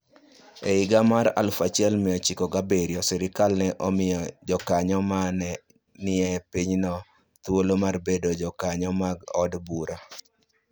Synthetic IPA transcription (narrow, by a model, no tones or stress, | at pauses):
eɪɡamaɾa̰lfat͡ʃɛlmɪjɔt͡ʃikɔɡabeɾiɔsɛɾɪkalnɛʔɔmɪjɔd͡ʒɔkaɲɔmanɛ | nɪɛpiɲnɔ | t̪wolomarbedod͡ʒɔkaɲɔmaɡɔdbuɾa